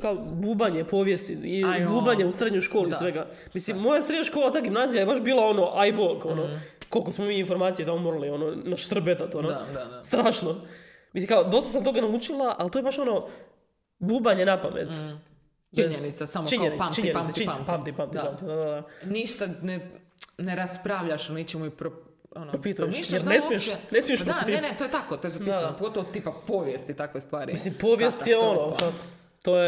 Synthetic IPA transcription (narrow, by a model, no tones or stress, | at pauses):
kaobuːbaɲepo̞ːʋjest̪iibuːbaɲeusɾed̪ɲojʃko̞ːlissʋeɡa | misimːo̞jasɾed̪ɲaʃko̞ːlˠat̪aːɡimnaːzijajebaʃbiːlˠao̞no̞ʔajbokonoko̞lkosmomiinfo̞ɾmaːt̪sijet̪amomoɾalio̞nonaʃt̪r̩bet̪at̪onost̪ɾaːʃno | misiŋkaod̪o̞st̪as̬amt̪o̞ɡanaut͡ʃilˠaʔalt̪oje̞baʃo̞no̞ | buːbaɲe̞napamʔḛt̪ | t͡ʃbezɲenisasamot͡ʃiɲɲenit̪amt͡ʃiɲenasat͡ʃipamt̪ipamt̪ipamt̪id̪ad̪ad̪aniʃt̪ane | neɾaspɾaʋʎaʃnet͡ʃemuipɾo | onoɾopit̪ujeijeɾnesmieʃnesmijeʃpɾoant̪net̪ojet̪akot̪ojezapisdaanopoɡot̪oʋot̪ipapoʋjest̪it̪akʋest̪ʋaːɾimislimpoʋjest̪jeo̞no | t̪oje